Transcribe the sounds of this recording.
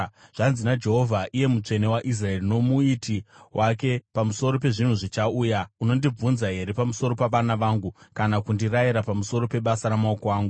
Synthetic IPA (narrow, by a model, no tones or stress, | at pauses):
ʐ̥anzinad͡ʒe̞ɦo̞vʱaʔije̞mut͡ʂe̞ne̞waʔis̬rae̞rino̞muitiwʔake̞pamuso̞ɾo̞pe̞ʐin̤uʐit͡ʃauːjauno̞ndib͡vunzaɦe̞ɾe̞pamuso̞ɾo̞paʋanaʋaːŋɡukanakundirajiɾapamuso̞ɾo̞pe̞ɓasaɾamaokoaːŋɡu